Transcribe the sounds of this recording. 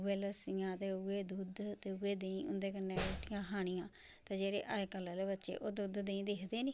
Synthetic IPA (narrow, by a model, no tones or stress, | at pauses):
eːləsɪjãːt̪eːueːd̪uːd̪t̪eːuːeːd̪eːĩːʊ̰nd̪eːkənːeːeʈɪjãːɦaːɽ̃ɪjãː | t̪eːd͡ʒeːɾḛːʔaːekəlːaːleːbətːʃḛːʔoːd̪uːd̪d̪eĩːd̪eːkʰd̪eːniː